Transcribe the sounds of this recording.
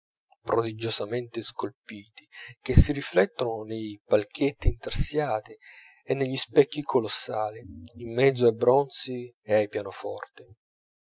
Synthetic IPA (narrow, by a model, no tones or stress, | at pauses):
pɾod̪id͡ʒozament̪eskolpiːt̪ik̟esːiɾiflɛt̪ːononejpalk̟ʰet̪ːiːnt̪ersjaːt̪i | enːeʎːispɛkːikʰolosːaːliimːɛd̪zːoajbɾɔnt̪si | eajpjaːnofɔ̰rt̪ɪ